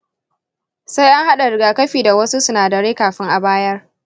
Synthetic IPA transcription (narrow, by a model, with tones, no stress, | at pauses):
sa˦jʔa˦ŋha˦ɗa˨ɾɪ˨ɡaː˨kɐ˦ɸiː˨da˨wɐ˦su˦sʊ˨naː˨dɐ˨ɽeː˦kaː˨ɸɪ˦ŋʔa˨baː˦jɐ˦r